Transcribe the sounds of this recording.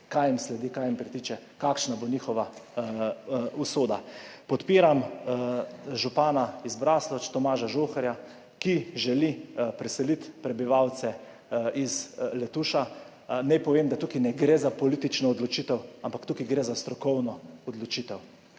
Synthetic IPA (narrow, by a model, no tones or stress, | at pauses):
kajimslɛd̪ikajimpɾit̪iːt͡ʃɛ | kakʃnaboniːxɔʋa | usoːd̪apɔt̪piːɾam | ʒupaːnaizbɾaːslɔt͡ʃt̪ɔmaːʒaʒoxɛɾja | kiʒɛlipɾɛsɛlit̪pɾɛbiʋawt̪sɛ | izlɛt̪uːʃa | nɛjpɔʋeːmd̪at̪uːkinɛɡɾeːzapoɔlit̪it͡ʃnɔːd̪lɔt͡ʃit̪ɛwampakt̪ukiɡɾeːzast̪ɾɔkɔwnɔɔd̪lɔt͡ʃit̪ɛw